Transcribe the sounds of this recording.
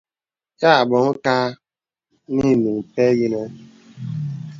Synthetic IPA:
ja˦a˨bʊ˨ŋ̩˦ka˦ | ni˦˨mi˨m̩˨pe˦ɡi˦ne˦

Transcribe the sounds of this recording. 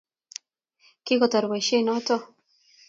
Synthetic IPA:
ki˦kɔ˨t̪a˨ɾwe˨ʃe˦nɔ˦t̪ɔ˦

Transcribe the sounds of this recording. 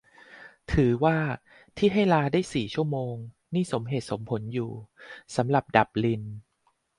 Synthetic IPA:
t̪ʰɯː˩˦waː˥˩ | t̪ʰiː˥˩ɦa˥˩jlaː˧daː˥˩jsiː˨˩t͡ɕʰu˥˩əmoː˧ŋ | niː˥˩so˩˦mɦeː˨˩t̪̚so˩˦mpʰo˩˦njuː˨˩sa˩˦mɾa˨˩p̚da˨˩p̚li˧n

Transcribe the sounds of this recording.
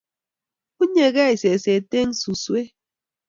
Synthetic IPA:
u˦ɲe˨ɣɛ˦e˨se˨se˨te˦ŋ̩˦su˨swe˦

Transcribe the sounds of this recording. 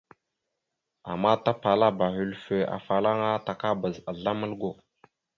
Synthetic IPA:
a̰˨mːa˦ta˦pa˨la˦ba˨ɦy˨lfe˨a̰˨fa˨la˦ŋa˦ta˨ka˦bə˨za˨ɮa˦mə˦lɡo˨

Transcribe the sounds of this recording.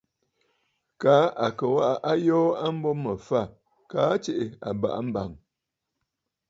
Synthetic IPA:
kaː˨˦ʔa˨kə˨wa˦ʔa˦ʔa˦jɔː˦a˦m̩˦bɔ˦mə˨fa˦˨ | kaː˨˦t͡ʃe˨ʔe˨a̰˨ba̰˨ʔa˦m̩˦ba˨ŋ

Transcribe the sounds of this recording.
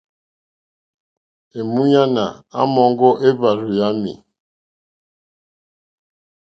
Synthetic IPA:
e˨mu˦ɲa˦na̰˨a̰˦mɔ˨˦ŋ˦ɡɔ˦ʔe˦ba˨ɾu˨ja˦mḭ˨

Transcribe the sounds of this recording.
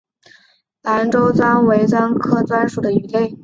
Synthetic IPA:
la˧˥nʈ͡ʂo˥ʊt͡swa˥nwe˧˥ɪt͡swa˥nkʰɤ˥t͡swa˥nʂu˨˩d̪ə˦y˧˥le˥˩ɪ

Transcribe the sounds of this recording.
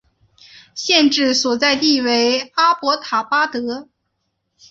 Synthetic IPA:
ɕjɛ˥˧nʈ͡ʂɻ̩˥˩swɔ˨˩t͡sa˥˧ɪt̪i˥˩we˧˥ɪa˥pwɔ˧˥t̪ʰa˨˩pa˥t̪ɤ˧˥

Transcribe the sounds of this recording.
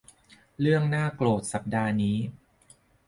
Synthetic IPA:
ɾɯ˥˩əŋnaː˥˩kloː˨˩t̪̚sa˨˩p̚daː˧niː˦˥

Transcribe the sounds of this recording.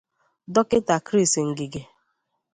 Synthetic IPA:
dɔ˦kɪ˦ta˨kɾi˦˨sŋ̩˨ɡi˨ɡe˨

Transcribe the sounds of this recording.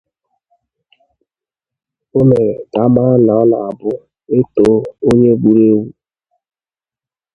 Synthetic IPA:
o˦me˨da˨ma˦na˨ɔ˦la˨a˨bʊ˦ | e˦to˦o˦ɲe˦ɡ͡bu˦ɾe˦wu˦

